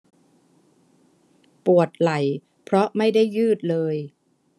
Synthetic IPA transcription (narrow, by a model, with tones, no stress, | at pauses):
pu˨˩ət̪̚la˩˦j | pʰɾɔ˦˥ma˥˩jda˥˩jːɯː˥˩t̪̚lɤː˧j